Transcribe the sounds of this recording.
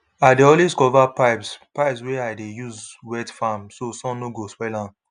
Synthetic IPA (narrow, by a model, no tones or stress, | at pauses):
aɪdeɔ̃lweskɔvapaɪpspaɪpsweaɪdejuzwɛtfamsosɔ̃mnoɡospɛlãn